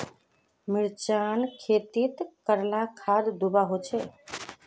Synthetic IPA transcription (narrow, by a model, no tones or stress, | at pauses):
mɪɭt͡ʃankʰeːt̪it̪kəɾlakʰaːd̪d̪ʊbaɦot͡ʃʰḛ